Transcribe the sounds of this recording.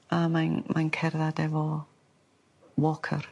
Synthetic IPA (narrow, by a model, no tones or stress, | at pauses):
amanmʔankʰɛrðadɛvɔ | wɔkʰə̰r